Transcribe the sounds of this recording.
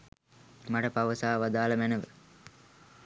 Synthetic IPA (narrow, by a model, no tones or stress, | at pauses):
mɐʈɐpɐʋɐsaːʋad̪aːlɐmænəʋə